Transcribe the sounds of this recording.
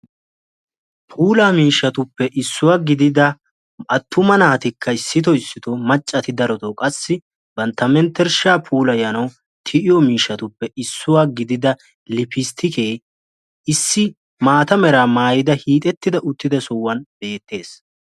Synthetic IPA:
pʰuːlaːmiːʃːɐt̪ʊpːɛʔɪsːʊwaːɡɪd̪ɪd̪ɐ | ɐt̪ːʊmɐnaːt̪ɪkʰːɐɪsːɪt̪ɔɪsːɪt̪ɔmɐt͡ʃʼːɐt̪ɪd̪ɐɾɔt̪ɔkʼɐsːɪ | bɐnt̪ɐmɛnt̪ːɛɾʃaːpʰuːlɐjɐnɐw | t̪ʰɪʔɪjɔmiːʃːɐt̪ʊpːɛɪsːʊwaːɡɪd̪ɪd̪ɐ | lɪpɪst̪ʰɪkeː | ɪsːɪ | maːt̪ɐmɛɾaːmaːjɪd̪ɐhiːt̪ʼɛt̪ːɪd̪ɐʔʊt̪ːɪd̪ɐsɔwːɐnbe̞ːt̪ːe̞ːs

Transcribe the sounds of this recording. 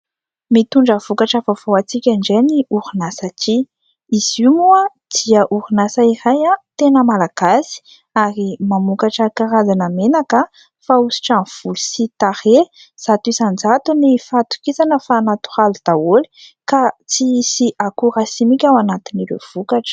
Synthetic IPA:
mit̪uɳɖ͡ʐəv̥ukaʈ͡ʂəvavoat͡sikʲaɳɖ͡ʐeniuɾunasat͡ʃi | iz̥imuə | d̪̥iəʔuɾunasaiɾajat̪enəmalaɡ̥asi̥ | aɾimamukaʈ͡ʂəkaɾazanəmenakə | fausi̥ʈ͡ʂav̥ulu̥sit̪aɾe | z̥at̪uisand͡zat̪unifat̪u̥kisanəfaːnat̪u̥halud̪̥awoli̥kat͡sisiʔakuɾasimikʲawanat̪iniɾḛv̥ukaʈ͡ʂə̥

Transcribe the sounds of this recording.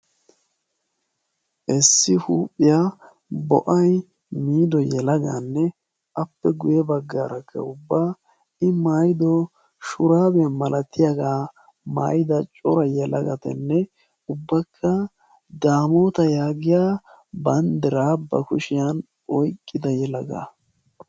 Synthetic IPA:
ʔɛsːɪhuːpʼːɪja | bɔ̰ʔɐj | miːd̪ɔjɛlɐɡa̰nːɛ | ɐpːɛɡʊjɛbɐɡːaːɾɐkʰːɐ̰ʊbːaː | ɪmaːjɪd̪ɔ | ʃʊɾaːbɛmɐlʔɐt̪ːɪjaɡaː | ma̰ːjɪd̪ɐt͡ʃʼɔɾɐjɛlɐɡɐt̪ɛ̰nːɛ | ʊbːɐkʰːɐ | d̪aːmoːt̪ɐjaːɡɪjaː | bɐnd̪ɪɾaːbɐ̰kʊʃɪjan | ɔjkʼːɪd̪ɐjɛlɐɡa̰ː

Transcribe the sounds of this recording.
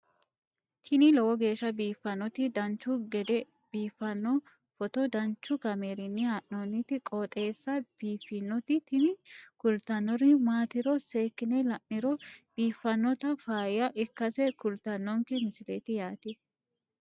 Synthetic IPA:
t̪ʰɪnɪlɔwɔɡe̞ːʃːɐbiːfːɐnːɔt̪ɪd̪ɐnt͡ʃːʊɡɛd̪ɛ | b̥iːfːɐnːɔ | fɔt̪ɔd̪ɐnt͡ʃːʊɡɐmeːɾɪnːɪhaʔnɔnɪt̪ɪkʼoːt̪ʼe̞ːsːɐb̥iːfːɪnːɔt̪ɪt̪ɪnɪkʊlt̪ɐnːɔɾɪmaːt̪ɪɾɔseːkːɪnɛlɐʔːɪɾɔb̥iːfːɐnːɔt̪ɐfaːjjɐʔɪkːɐsɛkʊlt̪ɐnːɔŋkɛmɪnsɪlḛt̪ɪjaːt̪ɪ

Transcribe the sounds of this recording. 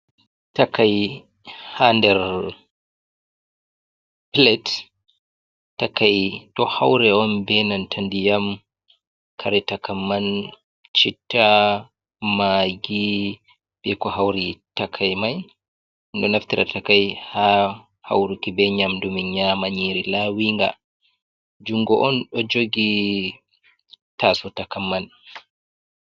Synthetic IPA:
takaj | handɛɾ | plɛt | takajtɔhawɾɛɔnbɛnantʰandijam | kʰaɾɛtakamːan | t͡ʃitːa | maɡi | b̥ɛkɔhawɾitakʰajmaj | ndɔnaftiɾʔa̰takajha | ha̰wɾikibɛɲamdumiɲaːmaɲiɾilawiŋɡa | d͡ʒuŋɡɔʔɔnɗɔd͡ʒoɡi | tasɔtakamːan

